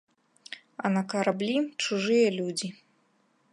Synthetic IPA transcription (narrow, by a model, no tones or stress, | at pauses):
ɐ̰nɐkɐɾablʲit͡ʂuʐɨjɐlʲud͡zʲi